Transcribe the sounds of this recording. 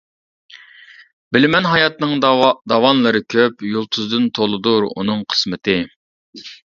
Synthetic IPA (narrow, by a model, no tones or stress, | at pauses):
bɪlɪmɛnɦɑjɑt̪nɨŋd̪ɑwɑnlˠɨɾɨkʲʰøpjolˠt̪ʰuzd̪ɨnt̪ʰolˠɨd̪uɾṵnɨŋqʰə̥smɨt̪ʰɪ